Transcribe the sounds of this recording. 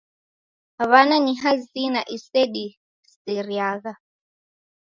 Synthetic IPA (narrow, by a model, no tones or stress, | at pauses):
aβananiɦazinaʔiseɗi | siɾjaɣa